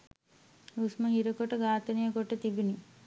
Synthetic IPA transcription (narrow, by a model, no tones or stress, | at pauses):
usmɐɦiɾɐkoʈɐɡaːt̪ɐnijɐkoʈːɐt̪ibini